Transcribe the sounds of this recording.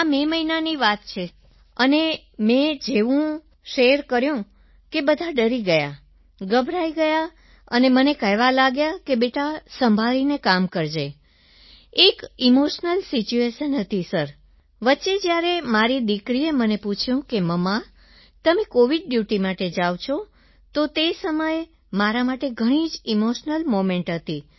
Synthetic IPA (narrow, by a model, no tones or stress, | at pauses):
ameməinaniʋat̪t͡ʃʰe | əne | mẽd͡ʒeʋũ | ʃejəɾkəɾjũ | kebəd̪ʱaɖəɾiɡəja̰ | ɡəbʱɾaiɡəja | ənemənekəɦʋalaɡjakebeʈasəmbʱalinekamkəɾd͡ʒe | ekimoʃnəlsit͡ʃueʃənɦət̪ʰisəɾ | ʋətːʃed͡ʒjaɾemaɾid̪ikɾieməneput͡ʃʰjũkeməma | t̪əmekoʋiɖ̚ɖjuʈimaʈed͡ʒaʋt͡ʃʰo | t̪ot̪esəməje | maɾamaʈeɡʱəɽ̃id͡ʒimoʃnəlmomeɳʈɦət̪i